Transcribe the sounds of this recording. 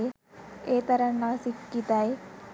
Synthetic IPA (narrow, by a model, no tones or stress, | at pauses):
e | eːt̪ɐɾɐnːaːsikːit̪aje